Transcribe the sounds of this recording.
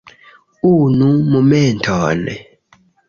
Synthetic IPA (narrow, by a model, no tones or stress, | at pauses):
unumumɛntʰɔːnɛ̰